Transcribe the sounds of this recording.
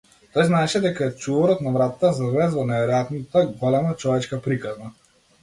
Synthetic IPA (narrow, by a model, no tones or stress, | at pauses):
t̪ɔjznaɛʃɛd̪ɛkaɛt͡ʃuvɔɾɔt̪navɾat̪at̪ːazavlɛzvɔnɛvɛɾɔjat̪nat̪aɡɔlɛmat͡ʃɔvɛt͡ʃkapɾikazna